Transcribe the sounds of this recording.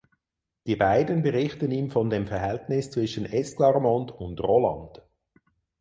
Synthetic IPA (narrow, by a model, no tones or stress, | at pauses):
d̥iːbaɪdənbəʁɪχtəniːmfɔndeːmfɛɐɦɛltnɪst͡sv̥ɪʃənɛsklɑʁmɔndʊndʁolɑ̰nd̥